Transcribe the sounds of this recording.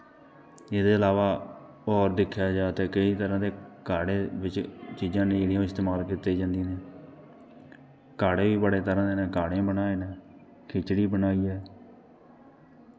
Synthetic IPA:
ɪd̪eːəlaːʋaː | ɔːɾd̪ɪkʰːjaːd͡ʒaːt̪eːkəiːt̪əɾãːd̪eːkaːɽeːʋɪt͡ʃt͡ʃiːzãːnẽːɪɽijõːɪst̪eːmaːlkɪt̪ːeːd͡ʒãːnd̪iːneː | kaːɽeːʋiːbəɽeːt̪əɾãːd̪eːnẽːkaːɽẽːbənaːeːneː | kʰɪt͡ʃɽiːbənaːiːɛː

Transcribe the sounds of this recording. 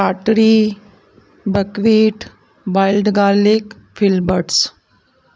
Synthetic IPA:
aʈɾi | bəkʋiːʈ | ʋailɖɡalik | filbəʈs

